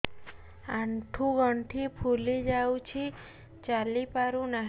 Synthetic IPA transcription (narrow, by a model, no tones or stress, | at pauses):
ãɳʈʰũɡəɳʈʰipʰulid͡ʒawt͡ʃʰi | t͡ʃalipaɾũna